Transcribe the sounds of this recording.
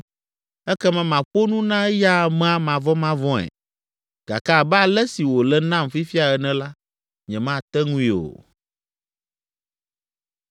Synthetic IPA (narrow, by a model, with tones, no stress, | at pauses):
ɛ˦kɛ˦mɛ̃˨mã˨k͡po˦nũ˦nã˦ɛ˦ja˦˨mɛ̃˦a˨mã˨vɔ˦mã˦vɔ̃˦ɛ̰˨ | ɡ̥a̰˨ka˦˨bɛ˦a˨lɛ˦si˨wo˨lɛ˦nã˦mfi˦fi˦a˨ɛ˨nɛ̃˨la˦ | ɲɛ̃˨mã˦˨t̪ɛ˦ŋũ˦i˨o̰˨